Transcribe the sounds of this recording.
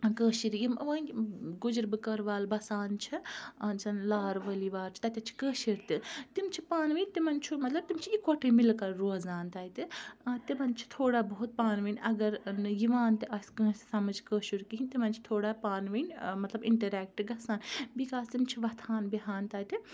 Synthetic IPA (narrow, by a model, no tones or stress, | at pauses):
kəːʃiɾjimʋəːnʲɡud͡ʒɾbɨkɐɾʋaːlbɐsaːnt͡ʃʰit͡ʃʰɐnlaːɾʋɐliʋaːɾt͡ʃʰi̥t̪ɐt̪ʲɐt͡ʃʰi̥kəːʃiɾt̪ɨt̪imt͡ʃʰipaːnʋinʲt̪imɐnt͡ʃʰumɐt̪lɐb̚t̪imt͡ʃʰijikʰoʈʰemilkɐɾɾoːzaːnt̪aːjt̪ɨt̪imɐnt͡ʃʰi̥t̪ʰoːɽabɐɦut̪̚paːnʋinʲɐɡɐɾnɨjiʋaːnt̪ɨʔɐskə̃ːssɐmɐd͡ʒkəːʃuɾkiɦinʲt̪imɐnt͡ʃʰi̥t̪ʰoːɽapaːnʋinʲmɐt̪lɐbiɳʈɐɾɛːk̚ʈɨɡɐsaːnbikaːst̪imt͡ʃʰiʋɐt̪ʰaːnbiɦaːnt̪aːjt̪ɨ